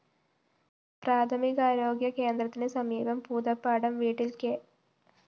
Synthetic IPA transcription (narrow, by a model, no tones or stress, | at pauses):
pɾaːt̪ʰɐmikɐaːɾo̞ːɡjɐkeːnd̪ɾɐt̪ːinesɐmiːbɐmpuːd̪ɐpːaːɽɐmʋiːʈːilke